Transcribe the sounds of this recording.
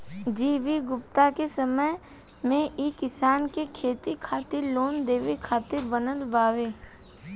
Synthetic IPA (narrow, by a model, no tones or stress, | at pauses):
d͡ʒiːʋiɡʊpt̪akesəməj | mẽiːkɪsaːnkekʰeːt̪ikʰaːt̪ɪɾloːnd̪eːʋikʰaːt̪ɪɾbənəlbaːʋeː